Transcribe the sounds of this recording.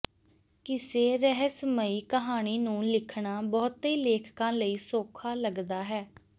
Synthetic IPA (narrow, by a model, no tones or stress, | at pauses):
kɪseːɾəɦəsməiːkəɦaːɽ̃iːnũːlɪkʰɳaːbɔːt̪eːleːkʰkãːləiːsoːkʰaːləɡd̪aːɦɛː